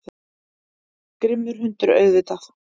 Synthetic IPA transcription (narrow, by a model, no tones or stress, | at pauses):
kɾɪmːʏɾ̥ɦʏnt̪ʏɾœ̰ɥðvɪt̪aθ